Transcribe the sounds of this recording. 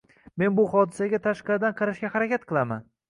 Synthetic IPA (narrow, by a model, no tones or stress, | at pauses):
me̞nbʊhɒd̪ɪsaɡʲat̪ʰaʃqɑɾɪd̪anqʰɑɾaʃɡʲahaɾakʲat̪̚qʰɨlˠaman